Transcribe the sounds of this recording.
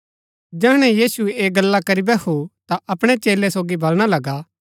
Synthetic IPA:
d͡ʒɛːɽ̃ɛ̃jiːsueeːɡɐlːakɐɾibɛkot̪aʔɐpɽ̃et͡ʃeːlesoːɡibʱɐlɽ̃alɐɡa

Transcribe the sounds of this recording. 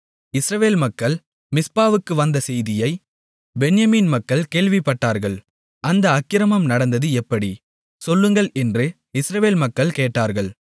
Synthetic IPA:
ɪsɾɐʋeːlmɐkːɐɭ | mɪspaːʋɯkːɯʋɐnd̪ɐsɛjðɪjɐɪ | bɛnjɐmiːnmɐkːɐɭkeːɭʋɪpːɐʈːaːɾɣɐɭ | ʔɐnd̪ɐːkːɪɾɐmɐmnɐɽɐnd̪ɐðɯɛpːɐɽi | sɔlːɯŋɡɐɭɛndrɯ | ɪsɾɐʋeːlmɐkːɐɭkeːʈːaːɾɣɐɭ

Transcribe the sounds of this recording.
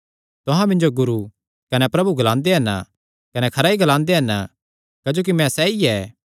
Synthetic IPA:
t̪ʊɦãmɪ̃nd͡ʒoɡʊɾu | kɐnɛpɾɐbuɡɐlãːnd̪eɦɐn | kɐnɛkʰɐɾaːiɡɐlãːnd̪eɦɐn | kaːd͡ʒoːk̬imɛ̃sɛːiɛː

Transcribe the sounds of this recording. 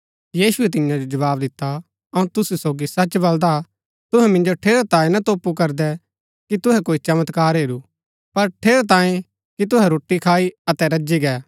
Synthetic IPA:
jiːsʊɛt̪ɪ̃jãd͡ʒod͡ʒɐʋaːbd̪ɪt̪ːa | ɐũt̪ʊsusoːɡisɐt͡ʃbɐld̪a | t̪ʊɦɛmɪ̃nd͡ʒoʈʰeːɾot̪ãːẽnɐt̪oːpukɐɾd̪ɛ | kit̪ʊɦɛkoːit͡ʃɐmət̪kaːɾɦeːɾu | pɐɾʈʰeːɾot̪ãːẽ | kit̪̬ʊɦɛɾoːʈːikʰaːiɐt̪ɛɾɐd͡ʒiɡɛː

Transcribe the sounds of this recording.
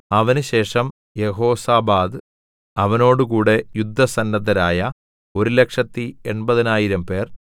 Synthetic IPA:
ɐʋɐnɨɕe̞ːʂɐm | je̞ɦo̞ːsaːbaːd̪ɨ | ɐʋɐno̞ːɽɨkuːɽe̞jud̪ʱːɐsɐnːɐd̪ɐɾaːjɐ | o̞ɾule̞kʂɐt̪ːieɳbɐðɐnaːjiɾɐmpe̞ːr

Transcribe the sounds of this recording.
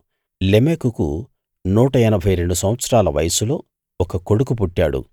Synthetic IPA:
lemeːkukṵ | nuːʈɐɐnɐbʱɐjɾe̞ɳɖusɐ̃mʋɐt̪sɾaːlɐʋɐ̰jɐsulo̞ː | ɔkɐko̞ɽukup̬uʈːa̰ːɽṵ

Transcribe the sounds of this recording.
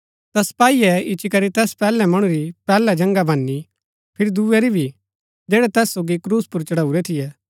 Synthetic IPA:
t̪ɐsɐ̥paːiɛɪt͡ʃikɐɾit̪ɛːspɛːlɛmɐɽ̃ũɾipɛːlɛd͡ʒɐ̃ŋɡabʱɐnːi | pʰɪɾid̪uɛɾibʱi | d͡ʒeːɽɛt̪ɛːsːoːɡikɾuːspʊɾt͡ʃɐɽaːuɾɛt̪ʰɪjɛː

